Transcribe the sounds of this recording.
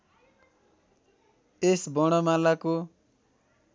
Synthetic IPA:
esbʌɽ̃ʌmalako

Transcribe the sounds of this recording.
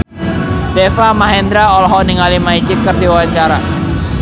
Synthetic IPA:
d̥ɛfamaɦɛnd̪ɾaɔlɦɔniŋalimaid͡ʒikərdiwawaɲt͡ʃaɾa

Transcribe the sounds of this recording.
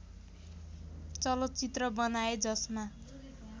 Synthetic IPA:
t͡sʌlʌt̪t͡sit̪rʌbʌnaed͡zʌsma

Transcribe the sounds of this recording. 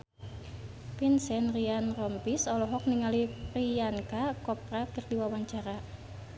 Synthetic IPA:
pinsɛnrianrɔmpisɔlɔɦɔk̚niŋaliriankakɔprakɨrdiwawaɲt͡ʃaɾa

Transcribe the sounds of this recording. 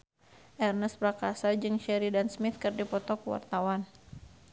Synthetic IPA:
ʔɛrnəspɾakasad͡ʒɨŋʃɛɾidansmɪt̪̚kɨrdipɔt̪ɔkuwa̰rt̪awan

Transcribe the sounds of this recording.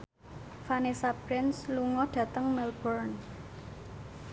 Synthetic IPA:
fanesapɾɪnsluŋɔɖ̥ä̤t̪əŋmɛlbɔrn

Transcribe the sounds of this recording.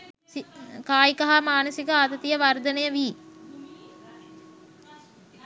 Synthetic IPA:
sikaːjikɐɦamaːnɐsikəat̪ɐt̪ijəʋaɾd̪ənejəʋiː

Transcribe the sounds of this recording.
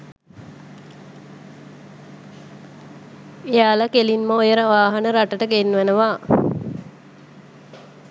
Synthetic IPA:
ejaːləkelinməojəɾəʋaːɦanəɾaʈəʈəɡenːʋænəʋaː

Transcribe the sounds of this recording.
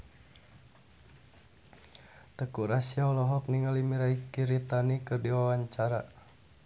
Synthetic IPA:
t̪əkuɾasiaulɔɦɔk̚niŋalimiɾaikiɾit̪anikədiwawaɲt͡ʃaɾa

